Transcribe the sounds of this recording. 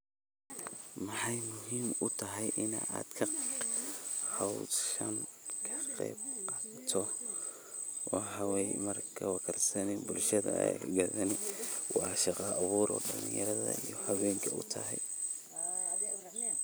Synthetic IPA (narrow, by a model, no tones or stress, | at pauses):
mɑħɑjmʊɦiːmʊt̪ʰɐɦɛjʔɪna̰ʔaːd̪kʰɐ | hɑwʃɐn | kʰɐqɛ̰ːb̚qɑːt̪ʰɔ | wɑħɑwɛjmɐrkʰɐwɑkʰɐrsɐnɛbʊlʃɐðɐ̰ɛ̰jɣaðɐnɛwɑɑʃɑqɑʔɐβuːɾʔɔ̰ːɖɐlɪnjɐɾɐðɐ̰ijɔhɑwɛːŋkʰɐʊt̪ʰɐ̰ɦɛ̰j